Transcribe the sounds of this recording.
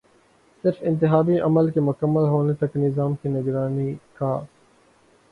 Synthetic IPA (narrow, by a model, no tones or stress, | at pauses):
sɪɾfɪ̃nt̪ɪɦaːbiʔɐməlkemʊkəmːəlɦoːnet̪ɐknɪzaːmkinɪɡɾaːnikaː